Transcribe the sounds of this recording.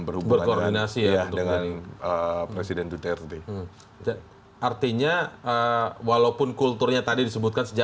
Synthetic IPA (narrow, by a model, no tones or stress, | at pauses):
bərhubbubərkordinasijat̪dəŋanəpɾesidɛnd̪ut̪ɛrt̪i | a | ʔart̪iɲaəwalapʊnkult̪ʊrɲat̪adidisəbut̪̚kansəd͡ʒa